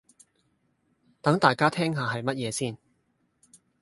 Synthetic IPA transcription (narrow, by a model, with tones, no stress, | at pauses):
t̪ɐ˨˥ŋt̪aː˨˩jkaː˥t̪ʰɛː˥ŋɦaː˨ɦɐ˨jmɐ˥t̚jɛː˨˧siː˥n